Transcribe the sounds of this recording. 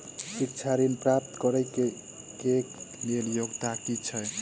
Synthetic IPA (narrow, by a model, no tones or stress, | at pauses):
sik̚t͡ʃʰaɾimpɾap̚t̪kʌɾəjk | keleljoɡt̪akit͡ʃʰʌj